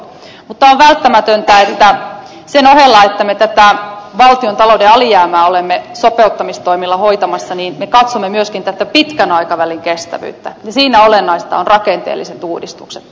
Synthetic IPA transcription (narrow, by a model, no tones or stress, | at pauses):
mut̪ːɑoʋʋælt̪ːæmæt̪ønt̪æet̪ːæ | senohelːɑet̪ːæmet̪æt̪æʋɑlt̪iont̪ɑlodeɑlijæːmæːolemːesopeut̪ːɑmist̪oimilːɑhoit̪ɑmɑsːɑniːnmekɑt̪somːemyøskint̪æt̪ːæpit̪kænɑikɑʋæliŋkest̪æ̰ʋy̰ːt̪ːæjɑsiːnæolenːɑist̪ɑ̰onrɑkent̪ḛːlːiset̪uːdist̪ukset̪